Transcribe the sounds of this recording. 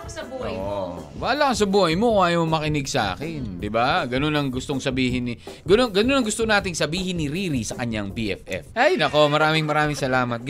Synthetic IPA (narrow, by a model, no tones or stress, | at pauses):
ɐbʔo̰ʔowaːlɐɐsɐbuːhɐjmo̞ŋʔaːjomɐkɪnɪɡsɐʔa̰ːkɪnd̪ɪbaɡɐno̞nɐŋɡʊst̪oŋsɐbiːɦɪnːɪ | ɡɐnoŋɡɐno̞nɐŋɡʊst̪onaːt̪ɪŋsɐbiːhɪnːɪɾiːɾisɐkɐɲaŋbiʔɛ̰fʔɛ̰fɐjnɐko̞mɐɾaːmɪŋmɐɾaːmɪŋsɐlaːmɐt̪̚ɡ